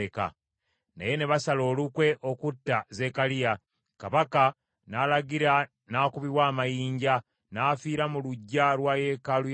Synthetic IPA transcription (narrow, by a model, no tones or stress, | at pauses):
eka̰ | na̰je̞ne̞βasalo̞ːlukwe̞ʔo̞kutːaze̞ːkalija | kaβaka | naːlaɡiɾa | naːkuβiwaːmajiːɲɟa | naːfiːɾamuluɟːalwaːje̞kalu